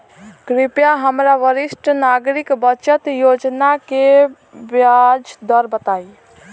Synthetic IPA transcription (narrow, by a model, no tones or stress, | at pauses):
kɾipjaɦəmɾaʋəɾisʈʰnaɡɾikbət͡ʃət̪jod͡ʒnake | bjad͡ʒd̪əɾbət̪aj